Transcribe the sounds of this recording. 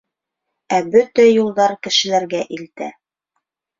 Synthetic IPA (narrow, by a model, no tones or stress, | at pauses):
æbɵt̪æjulˠd̪ɑɾkɘ̆ʃɘ̆læɾɡæʔilt̪æ